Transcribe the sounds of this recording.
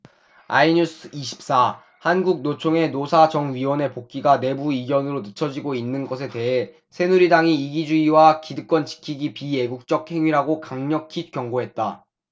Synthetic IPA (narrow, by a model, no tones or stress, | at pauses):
aiɲusʰɯiɕʰi̥p̚s͈a | hanɡuk̚not͡ɕʰoŋe̞nosʰad͡ʑʌŋɥiwʌne̞pok̚k͈iɡane̞buiɡjʌnɯɾonɯt͡ɕʰʌd͡ʑiɡoinːɯnɡʌs̬ʰe̞te̞ɦe̞ | sʰe̞nuɾidaŋiːɡid͡ʑuiwakidɯk͈wʌnt͡ɕi̥kʰiɡipie̞ɡuk̚t͡ɕ͈ʌk̚he̞ŋɥiɾɦaɡokaŋɲʌkʰik͈jʌŋɡoɦe̞t̚t͈a